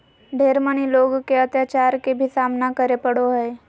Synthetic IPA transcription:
ɖʱeɾməɳ̃iloɡkeət̪jat͡ɕaɾkebʱiːsamnakəɾepəɽoɦəe

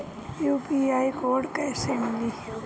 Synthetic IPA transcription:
juːpiaːikoːɾɖkɛːsemɪli

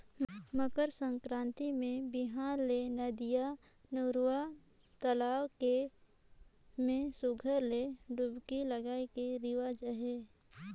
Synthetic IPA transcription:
məkəɾsə̃ŋkɾãːnt̪imẽbɪɦaːɾlenəd̪ija | noɾa | t̪əlaːwke | mẽsʊɡʱəɾleɖʊbkiləɡaːekeɾɪwad͡ʒəɦeː

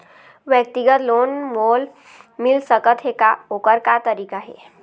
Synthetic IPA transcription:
ʋjək̚t̪iɡət̪lonmol | milsəkət̪ɦekaokəɾkat̪əɾikaɦḛ

